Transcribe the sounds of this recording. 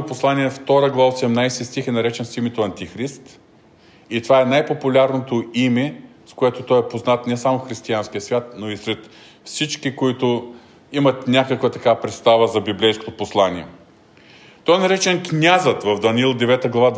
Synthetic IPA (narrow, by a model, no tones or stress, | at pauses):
poslˠaniɛft̪ɔɾəɡlˠavsɛmnajsɛst̪ixɛnɐɾɛt͡ʃɛnsimɛt̪oɐnt̪ixɾist̪ | it̪ovaɛnajpopulʲaɾnot̪oimɛ | skoɛt̪ot̪ɔjɛpoznat̪nɛsamofxɾist̪ianskijəsvʲjat̪̚noisɾɛt̪ | fsit͡ʃkikoit̪ʊ | imɐt̪nʲakəkvət̪ɐkaəpɾɛt̪st̪avəzɐbiblɛjsko̥t̪oposlˠanʲiɛ̰ | t̪ɔjnɐɾɛt͡ʃɛnknʲazət̪vɐvd̪ɐniilˠd̪ɛvɛt̪əɡlˠɐvad̪